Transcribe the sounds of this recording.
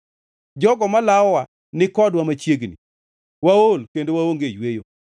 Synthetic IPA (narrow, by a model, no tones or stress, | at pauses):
d͡ʒɔɡɔmalaɔwa | nɪkɔdwamat͡ʃjeɡnḭ | waolkendowaoŋɡejwejo